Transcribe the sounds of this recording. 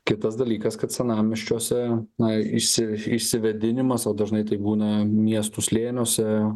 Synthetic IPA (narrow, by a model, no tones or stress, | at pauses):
kʲɪt̪ɐsd̪ɐlʲiːkɐskɐt̪sʲɛnɑːmʲɪʃʲt͡ʃʲoɔsʲɛnɐɪʃʲsʲɪɪʃʲsʲɪʋʲɛd̪ʲɪnʲɪmɐsoːd̪ɐʒnɐɪt̪ɐɪbuːnɐmʲiɛst̪usʲlʲeːnʲoːsʲɛ